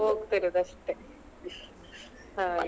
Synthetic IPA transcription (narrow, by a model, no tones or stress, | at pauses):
okɯ̥t̪eɾɯd̪aɕi̥t̪ːe | ha